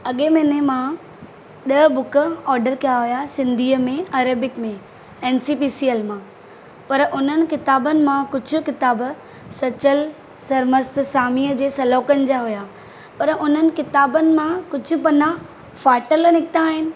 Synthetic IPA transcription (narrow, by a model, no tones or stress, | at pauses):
ɐɠemẽːnemã | ɗɐbʊkəɔːɾɖəɾkɐjaɦujasɪ̃nd̪ʱiːəmẽɐːɾəbɪkmẽ | eːnsiːpiːsielmãː | pɐɾʔʊnənɪ̆kɪt̪aːbənɪ̆mãkʊd͡ʑʱʊ̆kɪt̪aːb | sɐt͡ɕəl | sɐɾməst̪̆saːmiːəd͡ʑeːsɐlɔːkənɪ̆d͡ʑaɦujaː | pɐɾʔʊn̤ənɪ̆kɪt̪aːbənɪ̆mãkʊd͡ʑʱʊ̆pɐna | faːʈəlnɪkɪt̪aːɦɪnɪ̆